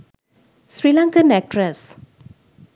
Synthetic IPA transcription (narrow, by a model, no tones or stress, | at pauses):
sɾilãŋkənɛk̚ʈɾəs